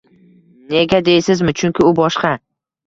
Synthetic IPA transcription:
ne̞ɡʲad̪ejsɪzmɪt͡ʃʰʊŋʲkʲɪʊbɒʃqɑ

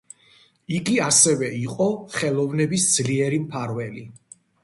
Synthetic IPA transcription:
iɡiasɛvɛiqʼɔχɛlˠɔvnɛbisd̪z̥liɛɾimpʰaɾvɛli

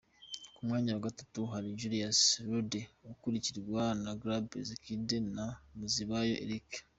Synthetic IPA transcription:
kumŋaːɲawaɡatatuɦaɾiɟuɾiasɾudeukuɾiciɾwanaɡɾabezikidenamuziβajo̰ʔḛɾik

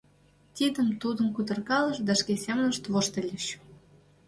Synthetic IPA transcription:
t̪ʲid̪ə̆mt̪ud̪ə̆mkud̪ə̆rkɑlə̆ʃd̪ɑʃkesʲemnə̆ʃt̪voʃt̪ĕlʲeʃ

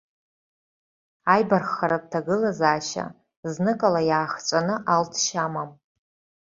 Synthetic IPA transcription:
ajbarχaɾap̚tʰaɡɨlazaːʃa̰ | znɨkʼalajaːχt͡ʃʷʼanɨʔaltʰʃamam

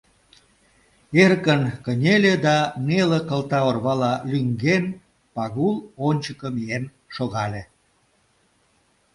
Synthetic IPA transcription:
erkənkənʲelʲed̪ɑnelə̆kə̆lt̪ɑorβɑlɑlʲyŋɡen | pɑɣulonʲt͡ɕəkə̆mien | ʃoɣɑlʲe

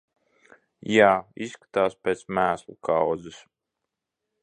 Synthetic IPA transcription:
jaːisːkḁt̪aːspʲeːt̪smæːslˠṵkʰawd̪zɨs

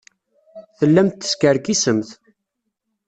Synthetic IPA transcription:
θəlːæmt̪ːə̥skəɾkisəmθ

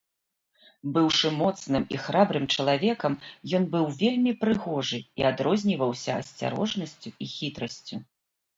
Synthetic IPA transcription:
bɨwʂɨmɔt̪snɨmḭxɾabɾɨmt͡ʂɐlˠavʲɛkɐmjɔnbɨwvʲelʲmʲipɾɨɣɔʐɨiad̪ɾɔzʲnʲivɐwsʲɐ̰ːsʲt͡sʲa̰ɾɔ̰ʐnɐsʲt͡sʲuixʲit̪ɾɐsʲt͡sʲu

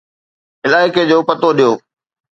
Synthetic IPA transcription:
ɪlaːɪked͡ʑoːpɐət̪oɗijoː

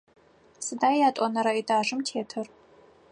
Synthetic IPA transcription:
sɨdaːjaːtʼɔnɐɾaidaːʐɨmtʰeːtʰɨr

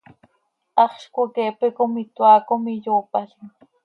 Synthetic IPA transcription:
ɑχʃkʊkeːpɪkʊmɪt̪waːkʊmɪʎoːpasɪŋ

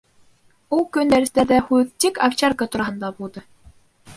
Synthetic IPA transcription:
ulˠkɵnd̪æɾɘ̆st̪æd̪æhʉɘkt̪ikaft͡ɕaɾkət̪uɾɑhɤ̆nd̪ɑbulˠd̪ɤ

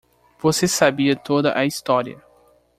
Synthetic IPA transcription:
v̥osesabiɐt̪od̪ɐʔɐist̪ɔɾiɐ̰

